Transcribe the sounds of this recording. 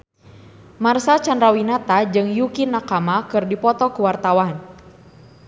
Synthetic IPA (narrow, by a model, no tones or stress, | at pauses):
marsat͡ʃandɾawinat̪ad͡ʒɨŋjukinːakamakɨrdipɔt̪ɔkuwart̪awan